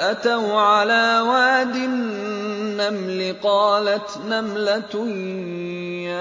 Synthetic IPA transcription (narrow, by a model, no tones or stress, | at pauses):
ʔat̪awʕalaːwaːd̪ɪnː | amlɪqɑːlat̪namlat̪ʊ | a